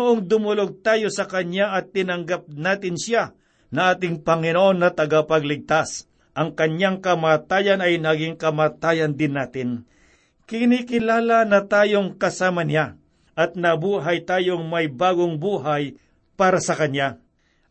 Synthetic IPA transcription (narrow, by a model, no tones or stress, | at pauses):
noʔoŋd̪ʊmʊloɡ̚t̪aːjo̞sɐkɐnaʔɐt̪ːɪnɐŋɡap̚naːt̪ɪnsa | nɐʔaːt̪ɪŋpɐŋɪnoʔonːɐt̪ɐɡapɐɡlɪɡ̚t̪as | ʔɐŋkɐnjaŋkɐmaːt̪aːjɐnɐjnɐɡɪŋkɐmaːt̪aːjɐnd̪ɪnːaːt̪ɪn | kɪnikɪlaːlɐnɐt̪aːjo̞ŋkɐsaːmɐnɪja | ʔɐt̪̚nɐbuːɦɐjt̪aːjo̞ŋmɐjbaːɡoŋbuːɦaj | paːɾɐsɐkɐnja